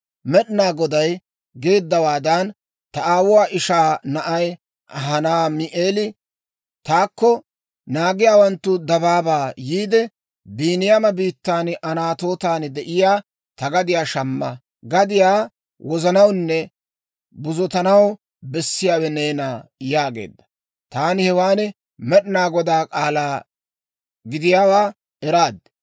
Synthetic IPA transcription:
mɛɗɪnaːɡɔd̪ɐj | ɡe̞ːd̪ːɐwaːd̪ɐn | t̪ɐʔaːwʊwaːʔɪʃaːnɐʔɐj | ʔɐɦɐnaːmɪʔeːlɪ | t̪aːkːɔ | naːɡɪjaːwɐnt̪ːʊd̪ɐbaːbaːjiːd̪ɛ | biːnɪjamɐbiːt̪ːaːnʔɐnaːt̪o̞ːt̪aːnd̪ɛʔɪjaː | t̪ɐɡɐd̪ɪjaːʃɐmːɐ | ɡɐd̪ɪjaː | wɔzɐnɐwnːɛ | bʊzɔt̪ɐnɐw | bɛsːɪjaːwɛneːnaːjaːɡe̞̰ːd̪ːɐ̥ | t̪aːnɪhɛwaːnɛ | mɛɗɪnaːɡɔd̪aːkʼaːlaː | ɡɪd̪ɪjaːwaː | ʔɛɾaːd̪

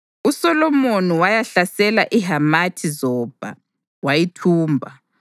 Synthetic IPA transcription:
usɔlɔmoniwajaɬasɛlaʔiɦamatʰizɔːb̥ʱa̰ | wajitʰuːmbʱa

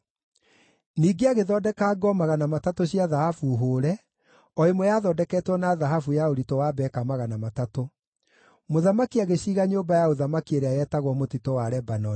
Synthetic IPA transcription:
niːɡeaɣeðɔdɛkaːɡɔmaɣanamatatoɕiaðahafuɦoːɾɛ | ɔemwɛjaðɔdɛkɛtwɔnaðaɦafujaoɾitɔwaːbɛkamaɣanamatato | moðamakiaɣeɕiːɣaɲoːbajaoðamakieɾeajɛtaɣwɔmotitɔwaɾɛbanɔ

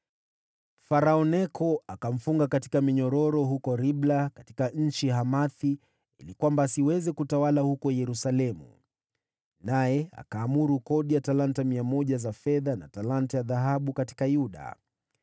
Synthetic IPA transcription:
faɾaɔnɛkʰɔakam̩fuŋɡakati̥kamiɲɔɾɔɾɔhukɔɾiɓlakati̥kaɲ̩t͡ʃiɦamaθi | ḭlikwambaːsiwɛzɛkutawalahukɔjɛɾusalɛmṵ | najɛa̰kaːmuɾukɔɗijatalantamiamɔʄazafɛðana̰talantajaðaɦaɓukati̥kajuɗa̰

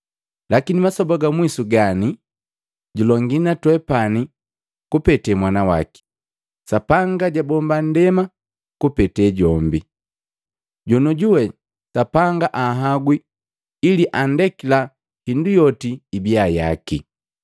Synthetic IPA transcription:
lakinimasɔbaɡamwisuɡani | ɟulɔŋɡinatwɛpani | kupɛtɛmwanawa̰ki̥ | sapaŋɡaɟabɔmban̩dɛma | kupɛtɛɟɔmbi | ɟɔnɔɟuwɛ | sapaŋɡaʔaɦaɡwiː | liʔandɛkila | hindujɔtiːbiaja̰kḭ

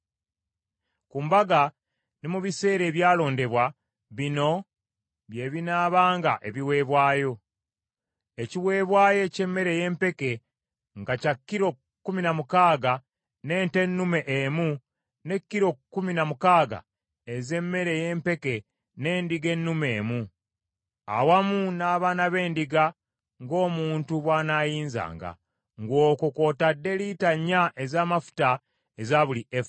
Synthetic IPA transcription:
kuːmbaɡa | nimuβise̞ːɾe̞ːβjaːlo̞ːnde̞βwa | βino̞ | βje̞ːβinaːβaːŋɡa̰ʔe̞βiwe̞ːβwaːjo̞ | eciwe̞ːβwaːje̞ce̞mːe̞ɾe̞je̞ːmpe̞ke̞ | ŋɡacakːiɾo̞ | kːuminamukaːɡa | ne̞ːnte̞nːume̞ʔemu | ne̞kːiɾo̞kːuminamukaːɡa̰ | eze̞mːe̞ɾe̞je̞ːmpe̞ke̞ | ne̞ːndiɡe̞nːume̞ːmu | a̰wamunaːβaːnaβe̞ːndiɡa | ŋɡo̞ːmuːntuβwaːnaːjiːnza̰ːŋɡa̰ | ŋɡo̞ːkoko̞tadːe̞litaɲːaʔe̞zaːmafu̥ta | ezaβuliʔef

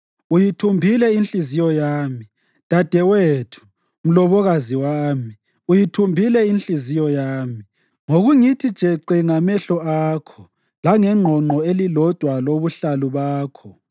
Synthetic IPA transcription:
ujitʰumbʱilɛinɬʼizijɔjaːmi | d̥ʱad̥ʱɛwetʰu̥ | m̩lɔβɔɣaziwaːmi | ujitʰumbʱilɛinɬizijɔjaːmi | ŋoɣuŋitʰid̥ʒ̥ʱɛǃiŋamɛɬɔaːkʰɔ | laŋɛŋ͡ǃʱɔŋ͡ǃʱɔelilɔd̥ʱwaloβuɬaluβaːkʰɔ

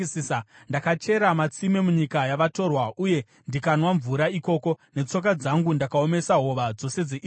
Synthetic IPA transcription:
siːsandakat͡ʃe̞ɾamat͡simemuɲikajaʋato̞rwauje̞ | ndikanwaɱvuɾaiko̞ːko̞ne̞t͡so̞k̬ad͡zaŋɡundakao̞me̞saɦo̞ʋad͡zo̞se̞d͡zeʔ

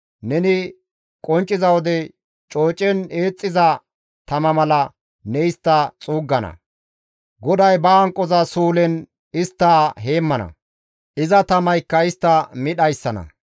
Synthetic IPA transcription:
nɛnɪ | kʼɔnt͡ʃʼːɪzɐwɔd̪ɛ | t͡ʃʼo̞ːt͡ʃʼɛne̞ːt͡sʼːɪzɐ | t̪ɐmɐmɐlɐ | nɛjst̪ːɐt͡sʼuːɡːɐnɐ̰ | ɡɔd̪ɐjbɐːŋkʼːɔzɐsuːlɛn | ɪst̪ːaːɦe̞ːmːɐnɐ̰ | ʔɪzɐt̪ɐmɐjkːɐɪst̪ːɐmɪɗɐjsːɐnɐ̰

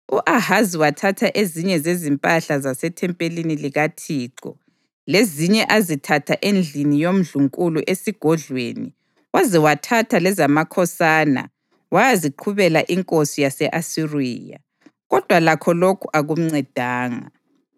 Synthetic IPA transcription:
uʔahaziwatʰatʰaʔeziɲɛzezimpʼaɬazasɛtʰɛmpʼeliniliɣatʰiːǀɔ̰ | leziɲɛʔazitʰatʰaʔend͡ɮʱinijom̩ɮuŋkʼuluʔesiɡ̥ʱɔɮwḛnḭ | wazɛwatʰatʰalɛzamakʰɔsaːna̰ | wajaziǃʰuβɛlaʔiŋkʼosijasɛʔasirḭːja̰ | ɣɔd̥ʱwalakʰɔlokʰuʔaɣum̩ŋ͡ǀɛd̥ʱaːŋa̰

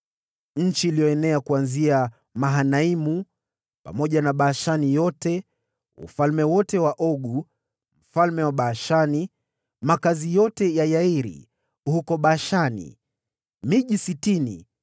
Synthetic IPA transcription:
ɲ̩t͡ʃiːlijɔɛnɛakuanzia | maɦanaimu | pa̰mɔʄanaɓaːʃanijɔtɛ | ṵfalmɛwɔtɛwaʔɔɠu | m̩falmɛwaɓaːʃani | makazijɔtɛjajaiɾḭ | hukɔɓaːʃanḭ | miʄisitinḭ

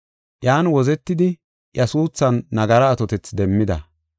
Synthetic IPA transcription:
jaːnwɔzɛt̪ːɪd̪ɪ | jɐsuːsːɐnːɐɡɐɾɐːt̪ɔt̪ɛt͡sd̪ɛmːɪd̪ɐ̰

